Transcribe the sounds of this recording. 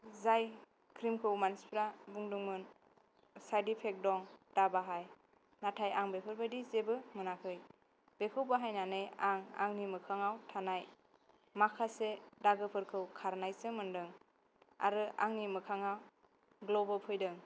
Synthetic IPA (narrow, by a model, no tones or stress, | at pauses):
zaj | kʰɾimkʰɯwmanspʰɾabuŋduŋmɯn | sajdipʰek̚dɔŋd̥abaɦaj | natʰajaŋbepʰɯɾbajdizebɯmɯnakʰɯj | bekʰɯwbaɦajnanɯjaŋa̰ŋnimɯkʰaŋawtʰanaj | makʰasedaɡɯpʰɯɾkʰɯwkʰaɾnajsɯmɯndɯŋ | a̰ɾɯa̰ŋnimɯkʰaŋaw | ɡlɔbɯpʰɯjdɯŋ